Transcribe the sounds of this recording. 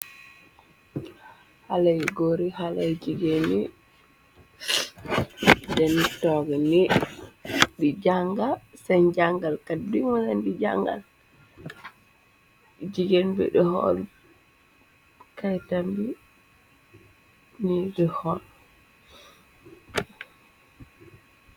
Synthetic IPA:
halajiɡoɾihalajd͡ʒiɡeni | dɛnitɔɡɛni | ɗid͡ʒaŋɡasand͡ʒaŋɡalkadiŋɔnandid͡ʒa̰ŋɡa̰l | d͡ʒiɡenbɛ̰ɗɛhɔ̰l | kajtambi | niɗɛhɔl

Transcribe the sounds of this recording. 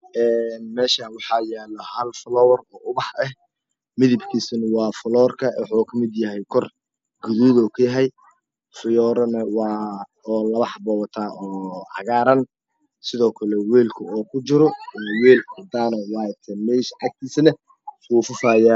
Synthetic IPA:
ʔɛːnmɛːʃɐwɑħɑːjaːlɐhɐlflɔwɐrɔːʊβɑħɛh | mɪðɪbkʰiːsɐnɐwɑːfʊlɔːrkʰɐʔɛħɔːkʰɐmɪd̪jɐɦɛjkʰɔr | ɡʊðuːðɔːkʰʊjɐɦɛj | fʊjɔːɾɐnɐwɑː | ɔːlɐβɑħbɔwt̪ʰaːʔɔːʕɑ̰ɣaːɾɐn | sɪðɔːkʰɐlɛwɛːlkʰʊɔːkʰʊt͡ʃɪɾɔwɛːld̪aːnɔwɑːjt̪ʰɐmɛːʃʔɑk̚t̪ʰiːsnɐ | wuːfʊfaːjaː

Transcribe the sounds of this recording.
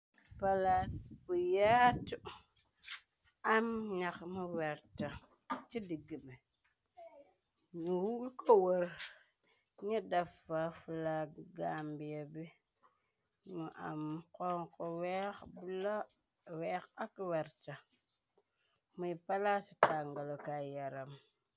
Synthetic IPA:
palaspujatu | amɲakmuwɛɾta | t͡ʃidiɡime | muwulkʰowoɾ | ɲidafafulaɡambijabi | muʔa̰mkoŋkowekbula | wekakweɾta | mupalasi̥taŋɡalokajaɾam

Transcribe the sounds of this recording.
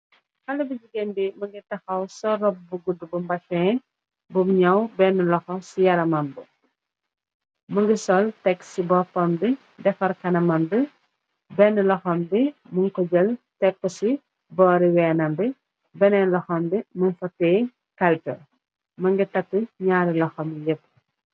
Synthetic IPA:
xɐlːɐbid͡ʒiɡenbimɐŋɡitɐxɐwsɔrɔb̚buɡudubumbɐt͡ʃɔɛ | bumɲɐwbɛnːəlɔxɔsijɐɾɐmɐmbu | məŋɡisɔltɛkːsibɔfɔmbi | dɛfɐɾkɐnɐmɐmbi | bɛnːəlɔxɔmbimuŋkɔd͡ʒɐltɛkːusi | bɔːɾiwɛːnɐmbi | bɛnɛnlɔxɔmbimunfɐtɛː | kɐlpɛ | mɐŋɡitɐkːəɲaːɾilɔxɐmjepː

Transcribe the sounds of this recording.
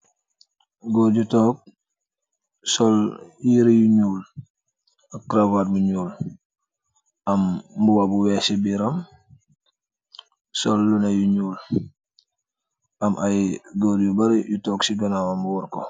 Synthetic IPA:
ɡoɾɟutoːk̚ | sɔljiɾijuɲuːl | akːɾavaːt̚muɲuːl | ʔambuwabuwɛːsibiɾam | sɔlːunajuɲuːl | ʔamʔajɡoɾjubaɾijutoksiɡɐnawambuwɔɾko

